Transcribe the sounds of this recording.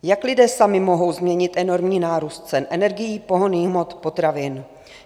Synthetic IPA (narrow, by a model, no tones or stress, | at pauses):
jaklɪdɛːsamɪmo̞ɦo̞wzmɲɛɲɪt̪ʔɛno̞ɾmɲiːnaːɾuːst̪̚t͡sɛnʔɛnɛɾɡɪjiːpo̞ɦoniːɣmo̞t̪po̞t̪ɾavɪn